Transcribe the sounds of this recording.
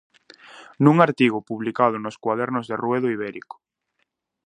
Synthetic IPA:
nuŋaɾt̪iɣ̞ʊpuβlikað̞ʊnoskwaðɛɾnʊzðerweðoiβɛɾḭko̥

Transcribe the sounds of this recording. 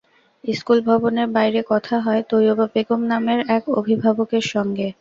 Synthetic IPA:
iskulbʱɔboneɾbajɾekɔt̪ʰaɦɔet̪ojobabeɡomnameɾɛko̰bʱibʱabokeɾʃɔŋɡe

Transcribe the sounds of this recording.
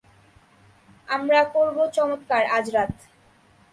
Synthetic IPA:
amɾakoɾbot͡ɕɔmot̪kaɾad͡ʑɾat̪

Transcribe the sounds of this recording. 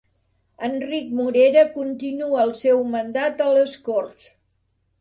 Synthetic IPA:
ənrik̚muɾeɾəkunt̪inuəːlˠsewmənd̪at̪ələskors

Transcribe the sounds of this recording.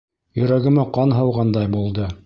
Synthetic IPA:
jɵ̆ɾæɡɘ̆mæqɑnɦɤ̆wʁɑnd̪ɑjbulˠd̪ɤ

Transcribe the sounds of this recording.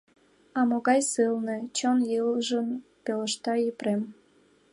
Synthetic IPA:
ɑmoɣɑjsɨlnĕt͡ɕonjɯlʒənpelə̆ʃt̪ɑipɾem

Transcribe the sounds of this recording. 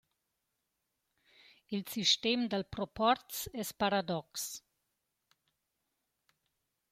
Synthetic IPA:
ilsiʃt̪emd̪əlpɾopɔɾt̪sɛspaɾad̪ɔks

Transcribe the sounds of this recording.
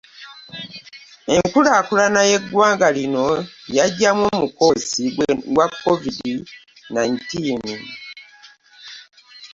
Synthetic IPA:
e̞ŋkulaːkulanaje̞ɡwaːŋɡalino̞jaɟːamwoːmuko̞siɡwakːovidi | najntiːn

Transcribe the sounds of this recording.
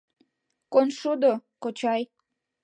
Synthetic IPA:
konʃud̪okot͡ɕɑj

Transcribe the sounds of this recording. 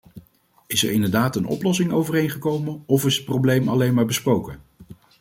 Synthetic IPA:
ɪsə̰ɹɪndəɹdaːtənʔɔ̰plɔsɪŋowvərejnχəkowmənɔfɪsət̚prowblejmɑlejnmaːɹbəsprowkən

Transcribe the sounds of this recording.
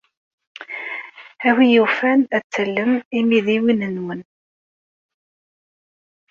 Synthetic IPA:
æwijufænæt͡sːəlːəmimiðiwinənwən

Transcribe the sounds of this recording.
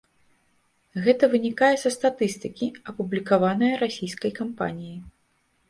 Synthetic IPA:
ɣɛt̪ɐvɨnʲikajɛsɐst̪at̪ɨst̪ɨkʲiɐpublʲikavanɐjɐɾasʲijskɐjkampa̰nʲiji

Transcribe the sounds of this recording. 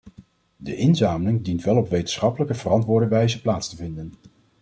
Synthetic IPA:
də̰ʔɪnzaːməlɪŋdintʋɛlˠɔpʋejtən̥̩sχɑpələkəvərɑntʋʊːɹdəʋɛjzəplaːtstəvɪndən

